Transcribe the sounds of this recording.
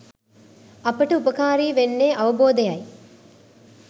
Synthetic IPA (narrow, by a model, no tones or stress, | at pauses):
ɐpɐʈɐupɐkaːɾiːʋenːeːʔɐʋɐboːd̪ɐjɐj